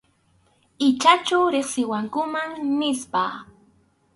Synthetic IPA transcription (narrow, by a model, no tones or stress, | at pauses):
ɪt͡ʃat͡ʃawɾeχsɪwaŋkʊmaŋnɪspaː